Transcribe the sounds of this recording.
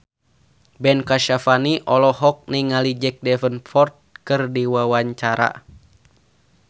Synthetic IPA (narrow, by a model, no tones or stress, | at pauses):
bɛnkaʃafaniʔɔlɔɦɔk̚niŋalid͡ʒɛk̚dɛfənfɔrt̪̚kɨrdiwawaɲt͡ʃaɾa̰